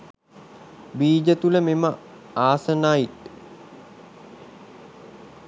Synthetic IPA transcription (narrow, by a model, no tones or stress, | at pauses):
biːd͡ʒət̪uləmemə | aːsənaːjit̪